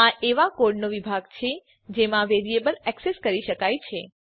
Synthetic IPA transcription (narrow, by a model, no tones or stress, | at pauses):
aʔeʋakoɾɖnoʋibʱaɡt͡ʃʰe | d͡ʒemãʋeɾiebəlɛkseskəɾiʃəkajt͡ʃʰe